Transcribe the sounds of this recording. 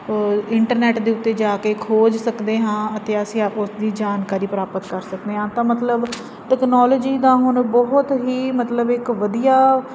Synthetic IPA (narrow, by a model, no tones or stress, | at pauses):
ɪɳʈəɾnɛːʈd̪eːʊt̪ːeːd͡ʒaːkeːkʰoːd͡ʒsəkd̪eːɦãːət̪eːəsĩːʊsd̪iːd͡ʒaːnkaːɾiːpəɾaːpət̪kəɾsəkd̪eːɦãːt̪ãːmət̪ləb | ʈɛːknaːloːd͡ʒiːd̪ãːɦʊnbɔɦʊt̪ɦiːmət̪ləbɪkʋəd̪ijaː